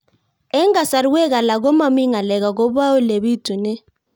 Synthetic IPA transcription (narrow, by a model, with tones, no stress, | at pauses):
ɛ˦ŋɡa˨sa˨ɾu˦wɛ˦k̬a˨la˨k̬ɔ˦ma˦˨mi˦ŋa˨lɛ˨k̬a˨k̬ɔ˦ɓa˦wu˦le˨ɓi˦d̥ʱi˨nɛ˦